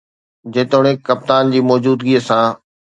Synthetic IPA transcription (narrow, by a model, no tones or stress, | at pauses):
d͡ʑẽːt̪oːɽ̃ekɐp̚t̪aːnd͡ʑiːmɔːd͡ʑuːd̪ɡiːəsãː